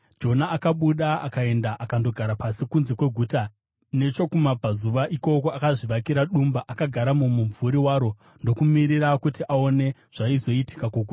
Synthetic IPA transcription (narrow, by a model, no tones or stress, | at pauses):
d͡ʒo̞naːkaɓuɗaa̰kae̞ndaʔakando̞ɡʱaɾapasikunze̞kwe̞ɡʱuːta | ne̞t͡ʃo̞kumab͡vʱazuʋaʔiko̞ko̞akaʐiʋakiɾaɗumbaʔakaɡʱaɾamumuɱvuɾiwaːɾo̞ | ndo̞kumiɾiɾakutiʔao̞ne̞ʐ̥aizo̞iti̥kakoɡʱuːta